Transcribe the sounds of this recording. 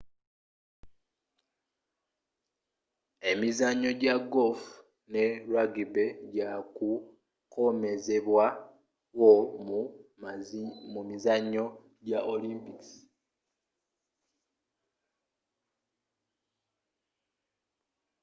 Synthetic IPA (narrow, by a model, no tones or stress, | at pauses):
e̞mizaɲːo̞ɟaɡolf | ne̞ɾwaɡibe̞ɟaku | ko̞me̞ze̞βwa | wo | mumizaɲːo̞ | ɟaʔoliːmpiksi̥